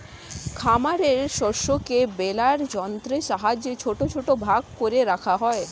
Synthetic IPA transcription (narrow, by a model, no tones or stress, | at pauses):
kʰamaɾeɾʃɔɾʃokebelaɾd͡ʑɔnt̪ɾeʃaɦad͡ʑet͡ɕʰoʈot͡ɕʰoʈobʱaɡ̚koɾeɾakʰaɦɔe